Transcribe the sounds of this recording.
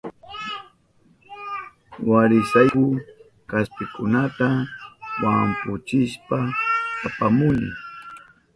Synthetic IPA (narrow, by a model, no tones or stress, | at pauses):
waɾɪsajkʊ | kaspɪkʊnat̪awampʊt͡ʃɪʃpaː | pamʊnɪ̰